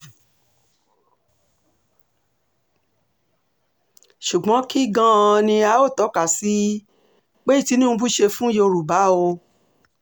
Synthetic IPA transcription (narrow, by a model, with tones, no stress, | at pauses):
ʃu˨ɡ͡bɔ̃˨˦ki˦ɡã˦˧nĩ˧a˨˦o˦˨tɔ˨˦ka˨si˨˦ | k͡pe˦i˦˨ti˨˦nũ˦˧bu˦ʃe˧fũ˦jo˧ɾu˨ba˨˦o˧